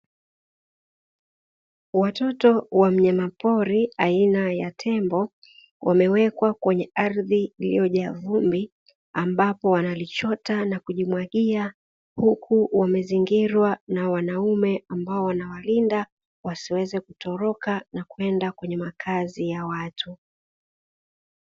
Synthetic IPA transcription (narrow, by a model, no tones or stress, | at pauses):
watɔtɔwam̩ɲamapɔɾiainajatʰɛmbɔ | wʔamɛwɛkwakwɛɲɛaɾðiːlḭjɔʄavumbi | ambapɔwanalit͡ʃɔtanakuʄimwaɠia | hukʰuwamɛziŋɡiɾwanawanaumɛambaɔwanawalinda | wasiwɛzɛkutɔɾɔkanakuɛndakwɛɲɛmakʰazijawatʰu